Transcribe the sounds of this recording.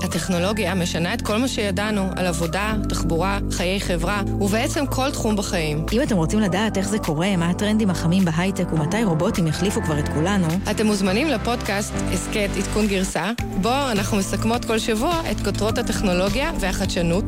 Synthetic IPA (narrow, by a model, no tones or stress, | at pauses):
ateχno̞lo̞ɡjame̞ʃanae̞tko̞lmaʃe̞jadanua̰lavo̞dataχbuʁa | χaje̞jχe̞vʁa | ubeet͡se̞mkʰo̞ltχumbaχajimʔimate̞mʁot͡simladaːte̞χzekʰo̞ʁe̞maatʁe̞ndimhaχamimbeɦajtekumatajʁo̞bo̞timjaχlifukvaʁe̞tkulanuate̞muzmanimlepo̞dkastesketitkunɡiʁsabo̞anaχnumesakmo̞tko̞lʃavuaʔe̞tkotʁo̞thate̞χno̞lo̞ɡjave̞aχaʃanut